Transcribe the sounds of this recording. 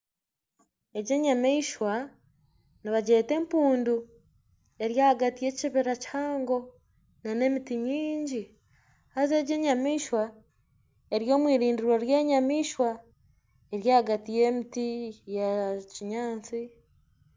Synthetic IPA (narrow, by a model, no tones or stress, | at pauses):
e̞ɟe̞ːɲameiʃwa | niβaɟe̞ːte̞ːmpuːndu | e̞ɾjaːhaɡatije̞ciβiɾacaːŋɡo̞ | nane̞mitiɲiːɲɟi | haze̞ːɟe̞ːɲamiːʃwa | e̞ɾjo̞ːmwiːɾiːndiɾoɾje̞ːɲamiːʃwa | e̞ɾjaːhaɡatije̞mitijaciɲaːnt͡si